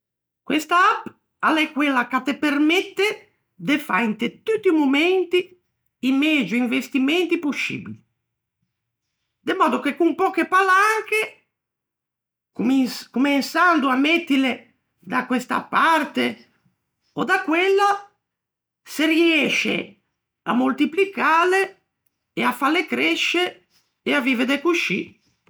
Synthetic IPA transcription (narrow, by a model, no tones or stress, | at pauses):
kwɛst̪aap | alːɛkːwɛlːakat̪ːepermɛt̪ːe | d̪efa̰int̪et̪ut̪ːimomɛnt̪i | imɛd͡ʒuiɱvest̪imɛnt̪iposːḭːbili | d̪emɔːd̪okekumpɔːkepalaŋke | kumɛnsand̪uamɛt̪ːile | d̪akwɛst̪a̰paɾt̪e | ɔd̪akːwɛlːa | seriɛʃḛ | a̰mult̪iplikaːleː | afalːekɾɛʃeː | aviːved̪ɛkuʃḭ